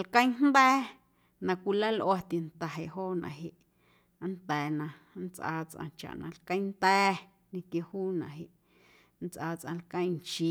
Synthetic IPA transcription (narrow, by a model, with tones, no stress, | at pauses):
lkə̃˦j̃n̥nd̪ɛː˦ | nã˧kʷi˧la˦lʔo˧a˧t̪i˨nt̪a˨ɦe˨ʔɦoː˦nã̰˨ʔɦe˨ʔ | nt̪ɛː˨nã˧nt͡sʔa̰ː˧t͡sʔã̰˧t͡ʃa̰˨ʔnã̰˧lkə̃˦j̃nt̪ɛː˦ | nĩ˧kje˧huː˦nã̰˨ʔɦe˨ʔ | n̩t͡sʔaː˧t͡sʔã̰˧lkə̃˦j̃nt͡ʃi˧